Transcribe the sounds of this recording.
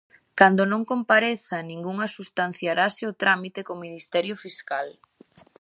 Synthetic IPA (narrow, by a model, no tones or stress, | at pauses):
kand̪onõŋkompaɾeθanĩŋɡuŋasust̪an̟θjaɾasɪʊt̪ɾamit̪ekominist̪ɛɾjofiskal